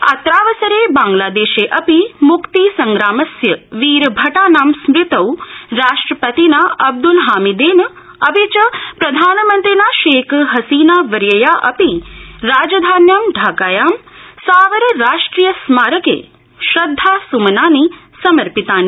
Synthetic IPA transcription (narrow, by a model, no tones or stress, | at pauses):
a̰t̪ɾaːʋɐsɐɾeːbaːŋɡlaːd̪eːʃeːʔɐpimukt̪isɐŋɡɾaːmɐsjɐʋiːɾbʱɐʈaːnaːmsmɾɪt̪ɐwɾaːʂʈɾɐpɐt̪inaɐb̚d̪ulɦaːmid̪eːn | ɐbit͡ʃɐpɾɐd̪ʱaːnɐmɐnt̪ɾinaːʃeːkɦɐsiːnaːʋɐɾjɐjaːʔɐpiɾaːd͡ʒɐd̪ʱaːnjaːmɖʱaːkaːjaːm | saːʋəɾɾaːʂʈɾiːjɐsmaːɾɐkḛː | ʃɾɐd̪ʱːaːsumɐnaːni | sɐmɐɾpit̪aːnː